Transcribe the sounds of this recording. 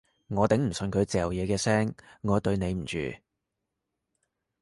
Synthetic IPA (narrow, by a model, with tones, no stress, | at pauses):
ŋɔː˨˧t̪ɪ˨˥ŋm̩˨˩sɵ˨˧nkʰɵ˨˧ɥt͡sɛː˨wjɛː˨˧kɛː˧sɛː˥ŋːɔː˨˧t̪ɵ˧ɥne˨˧jm̩˨˩t͡ʃy̰ː˨